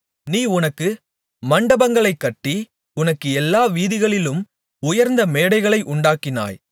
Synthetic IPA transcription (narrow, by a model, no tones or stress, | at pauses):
niːʊnɐkːɯ | mɐɳɖɐbɐŋɡɐɭɐɪkːɐʈːi | ʊnɐkːɯɛlːaːʋiːðɪɣɐɭɪlɯm | ʊjɐɾnd̪ɐmeːɽɐɪɣɐɭɐɪʔʊɳɖaːkːɪna̰ːj